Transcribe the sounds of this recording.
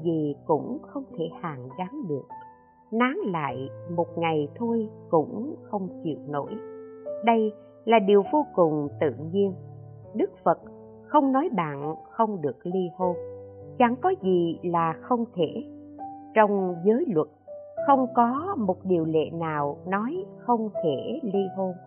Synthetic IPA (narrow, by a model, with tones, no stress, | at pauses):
zi˨˩kʊ̰˧˥ŋ͡mxə˧wŋ͡mt̪ʰe˧˩haː˨˩ŋzaː˨˦ŋɗɨ˨˩ək̚ | naː˨˦ŋla̰ː˧˨jmo˨˩t̚ŋa˨˩jt̪ʰo˧jkʊ̰˧˥ŋ͡mxə˧wŋ͡mt͡ɕḭ˨˧˨əwno̰˧˥jɗə˧j | laː˨˩ɗi˨˩əwvo˧kʊ˨˩ŋ͡mt̪ɨ̰˧˨ɲi˧ən | ɗɨ˦˥k̚fə˨˩t̚ | xə˧wŋ͡mnɔ˨˦jɓa̰ː˧˨nxə˧wŋ͡mɗɨ˨˩ək̚li˧ho˧nt͡ɕa˧˨˩ŋkɔ˨˦zi˨˩laː˨˩xə˧wŋ͡mt̪ʰe˧˩˨ | t͡ɕɔ˧wŋ͡mzəː˨˦jlwə˨˩t̚xə˧wŋ͡mkɔ˨˦mo˨˩t̚ɗi˨˩əwlḛ˧˨naː˨˩wnɔ˨˦jxə˧wŋ͡mt̪ʰe˧˩˨li˧ɦo˧n